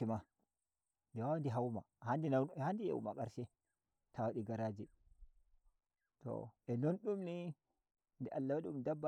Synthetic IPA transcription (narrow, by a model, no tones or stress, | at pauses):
ima | dɛwawandiɦawma̰handihandija̰wṵma̰kaɾsɛ | tʰawaɗiɡaɾad͡ʒi | tɔ̰ʔɛnɔnɗumni | ndɛʔalːawaɗumdabːa